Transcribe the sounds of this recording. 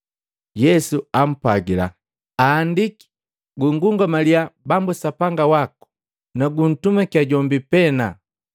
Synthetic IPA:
jɛsuam̩paɡila̰ | aːndiki̥ | ɡuŋɡuŋɡamaliabambusapaŋɡawaku̥ | naɡun̩tumakiaɟɔmbipɛna

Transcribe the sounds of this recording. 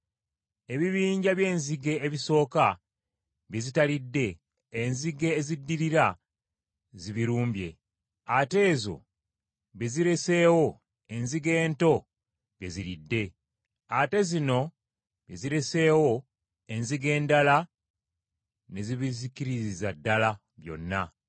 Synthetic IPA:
e̞βiβiːɲɟaβje̞ːnziɡe̞ːβiso̞ːka | βezitalidːe̞ː | nziɡe̞ːzidːiɾiɾa | ziβiɾuːmbje̞̰ | ate̞ːzo̞̰ | βe̞ziɾe̞se̞ːwo̞ | e̞nziɡe̞ːnto̞ | βje̞ziɾidːe̞ | ate̞zino̞ | βje̞ziɾe̞se̞ːwo̞ | e̞nziɡe̞ːndala | ne̞ziβizikiɾizizadːala | βjo̞̰nːa

